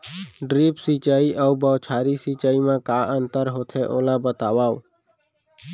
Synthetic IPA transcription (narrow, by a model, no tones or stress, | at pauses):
ɖɾiːpsiːt͡ʃaːiʔəubəːt͡ʃʰaːɾisiːt͡ʃaːimãːkaːʔənt̪əɾɦoːt̪ʰeːʔoːlãːbət̪aːʋaːo